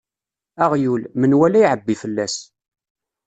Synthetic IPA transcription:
æʁjulmənwælæjʕəbːifəlːæs

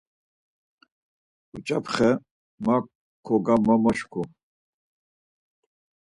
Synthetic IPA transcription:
ut͡ʃʼapʰχɛ | ma | kʰɔɡamamaʃkʰɔ

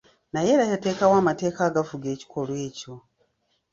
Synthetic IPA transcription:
najeːɾahate̞ːkawaːmate̞ːkaːɡafuɡe̞ːci̥kʰo̞lwe̞ːco̞

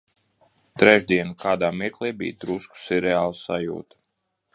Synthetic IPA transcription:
t̪ɾɛʒd̪iɛnukʰaːd̪aːmiɾklˠiːbḭjd̪ɾusku̥siɾɛaːlˠusajṵːt̪

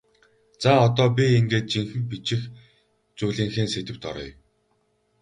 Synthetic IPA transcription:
t͡saɔt̪ɔːp̬ʲieŋɡeːt̪̚t͡ɕiŋxɘ̆mpit͡ɕɪ̆x | t͡suːɮiːŋxeːnset̪ɘ̆w̥t̪ɔ̰ɾɞ̰j

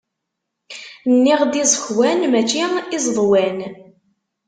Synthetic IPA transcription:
nːiʁd̪izˤəçwænmæt͡ʃːiizˤðˤwæn

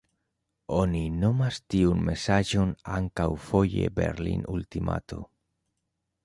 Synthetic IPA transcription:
oninomast̪iunmesaʒonaŋkawfoʎḛbḛɾlḭnult̪ima̰t̪o

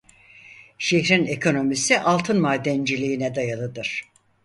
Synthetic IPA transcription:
ʃeçɾinekʰo̞no̞misiʔalˠt̪ʰɯnmaːd̪ɛnd͡ʒilʲijːnɛd̪ajalˠɯd̪ɯɾ̥

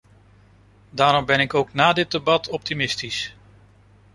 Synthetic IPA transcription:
daːɾɔmbɛnɪkowknaːdɪt̚debɑtʰɔp̚timɪstis

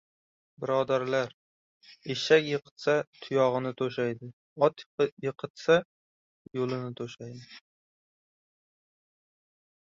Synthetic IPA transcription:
bɪɾɒd̪aɾlaɾ | eʃakʲjɨqʰɨ̥t̪sat̪ʰʊjɒʁɨnɪt̪ʰoʃajd̪ɪ | ɒt̪jɨqʰɨt̪sa | jolˠɪnɪt̪ʰoʃajd̪ɪ

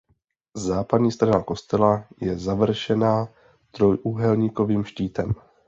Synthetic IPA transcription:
zaːpad̪ɲiːst̪ɾanako̞st̪ɛlajɛzavr̩ʃɛnaː | t̪ɾo̞jʔuɦɛlɲiːko̞viːmʃciːt̪ɛm

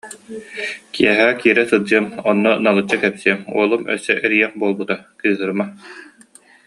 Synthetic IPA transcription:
kʰḭɛɦɛːkiːɾɛsɯd͡ʑɯɐmɔnːɔnalˠɯt͡ɕːakɛpsiɛmṵɔlˠumœ̰sːɛʔɛɾijɛχbuɔlˠbut̪akɯjɯɦɯɾma

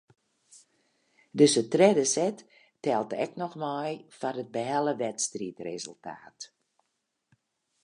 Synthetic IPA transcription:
døsətrɛdəsɛtː | ɛlˠtɛ̰knɔxmɔjfanət̚bəɦɛlˠəʋɛtstritrezəlˠtʰa̰ːt

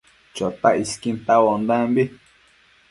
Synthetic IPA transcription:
t͡ʃot̪aʔiskint̪awond̪ãmbi

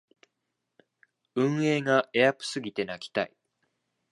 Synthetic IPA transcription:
ɯ̟̃ɰ̃e̞ːɡaʔejakɯ̟̥sɨɡʲit̪e̞nakʲi̥t̪a̰i

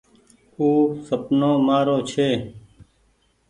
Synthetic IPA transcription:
uːsəpnõːmaːɾoːt͡ʃʰeː

